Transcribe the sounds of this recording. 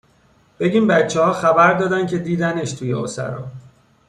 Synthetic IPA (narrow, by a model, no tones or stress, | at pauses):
b̥e̞ɟiːmbæt̪t͡ʃʰːehɒːxæbæɾd̪ɒːd̪æn̚cʰe̞d̪iːd̪æne̞ʃt̪ʰuːjḛosæ̰ɾɒ̰ː